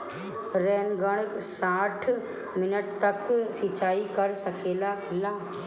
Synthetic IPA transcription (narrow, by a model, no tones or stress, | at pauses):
ɾɛːnɡəɽ̃ək | saːʈʰ | mɪnəʈt̪əksɪt͡ʃaːikəɾsəkeːlakʰɪlaː